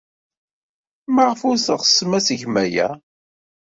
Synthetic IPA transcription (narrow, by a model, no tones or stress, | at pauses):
maʁfʊɾθəʁsːəmæsəʝmæjæ̰